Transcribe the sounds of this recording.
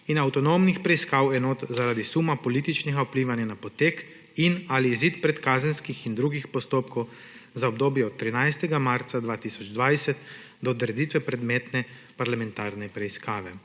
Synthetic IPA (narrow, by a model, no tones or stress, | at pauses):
inawt̪ɔnomnixpɾɛiskaːwɛnoːt̪zaɾaːd̪isuːmapɔliːt̪it͡ʃnɛɡaupliːʋanjanapɔt̪eːk | inaliːziːt̪pɾɛt̪kaːzənskixind̪ɾuːɡixpɔst̪oːpkʰɔw | zaɔb̚d̪oːbjɛɔt̪̚tːɾinajst̪ɛɡamaɾt̪sad̪ʋaːt̪isɔd͡ʒd̪ʋajsɛt̪ | d̪ɔːd̪ɾɛd̪iːt̪ʋɛpɾɛd̪meːt̪nɛ | paɾlamɛ̃nt̪aːɾnɛpɾɛiskaːʋɛ